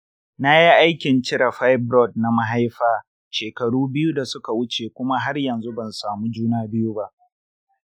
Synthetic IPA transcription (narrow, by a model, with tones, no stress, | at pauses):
na˦ji˦ʔa˦jkʲɪ˨nt͡ʃɪ˦ɾa˨ɸa˦jbɾɔ˦˨d̚na˨ma˦ɦa˦jɸaː˦ | ʃeː˨kɐ˨ɽuː˦bɪ˦ju˦da˨sʊ˦ka˨wʊ˦t͡ʃeː˨kʷʊ˦ma˦ɦa˦rjɐ˨nzu˦bɐ˨nsaː˨mu˦d͡ʒuː˦naː˦bɪ˦ju˦ba˦ʔ